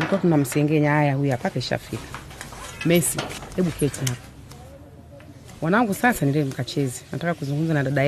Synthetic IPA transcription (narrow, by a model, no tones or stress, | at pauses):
likuwakunam̩siɛŋɡɛɲaajahujuapakaiʃa̰fikḁ | mɛsihɛɓukʰɛtʰiɦapḁ | mwanaaŋɡusasaniɾɛm̩kat͡ʃɛzɛna̰takakuzuŋɡum̩zanaɗaɗa